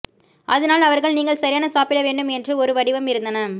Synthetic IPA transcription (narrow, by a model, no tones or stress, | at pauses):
ʔɐðɐnaːlɐʋɐɾɣɐɭniːŋɡɐɭsɐɾɪjaːnɐsaːpɪɽɐʋeːɳɖɯmɛndrɯɔɾɯʋɐɽɪʋɐmɪɾɯnd̪ɐnɐ